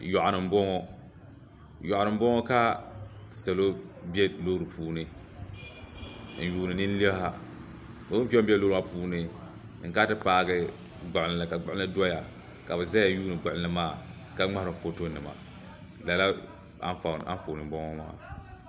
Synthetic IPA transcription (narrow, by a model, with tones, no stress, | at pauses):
jɔ˨ʔnɨ˨m˦bɔ˦ŋɔ˦ | jɔ˨ʔnɨ˨m˦bɔ˦ŋɔ˦ka˦ | sa˨lo˦bi˦ɛ˦lo˦ɾɨ˨puː˦nɨ˦˨ | juː˦nɨ˨ni˦n˦li˦bha˦ | ba˨bu˦pi˦ɔ˦bi˦ɛ˦lo˦ɾa˨˦puː˦nɨ˨ | ɨ˨ŋka˦tɨ˦paː˨ɡɛ˦ | ɡ͡ba˨ʔɪ˨n˨la˨ka˨ɡ͡bʊ˨˦la˦dʊ˦ɔ˦ja˨ | ka˨bɨ˨za˦ja˨juː˦nɨ˨ɡ͡bʊ˨ɪ˨n˦a˦maː˦˨ | ka˦ŋ͡ma˦hɾɨ˨fo˨to˦nɨ˨ma̰˨ | la˨la˦ | a̰˦fa˨a̰˦nfo˨nɨ˨bɔ˦ŋɔ˦ma̰ː˦˨